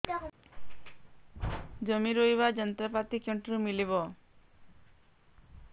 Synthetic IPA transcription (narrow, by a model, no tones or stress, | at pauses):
d͡ʒəmiɾoiβad͡ʒʌnt̪ɾapat̪ikeɳʈɾumiliβɔ